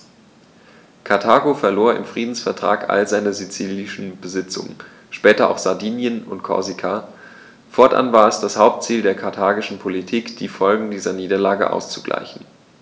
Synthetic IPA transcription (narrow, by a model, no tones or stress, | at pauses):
kʰatʰaːɡofɛɐloːɐɪ̰mfʁ̥iːdn̩sfɛɐtʁ̥a̰ːkʔa̰lzaɪnɐzit͡siːlɪʃn̩bəzɪt͡sʊ̰ŋə̰n | ʃpɛːtɐa̰ʊxz̥aɐdiːnjənʊntkʰɔ̰ɐzikʰa | fɔɐtʔa̰nvaːɐɛsd̥ashaʊp̚tt͡siːldeːɐkʰaɐtʰaːɡɪʃn̩pʰolitʰiːkd̥iːfɔlɡŋ̩diːzɐniːdɐlaːɡə̰ʔa̰ʊst͡suɡ̥la̰ɪçn̩